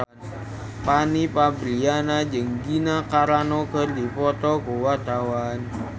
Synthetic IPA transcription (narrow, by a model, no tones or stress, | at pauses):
panipabɾianad͡ʒəŋɡinakaɾanɔɡ̥ɔrd̪ipɔt̪ɔɡowat̪awan